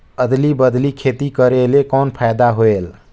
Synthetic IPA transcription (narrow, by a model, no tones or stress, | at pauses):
əd̪libəd̪likʰet̪ikəɾelekɔnpʰajd̪aɦoel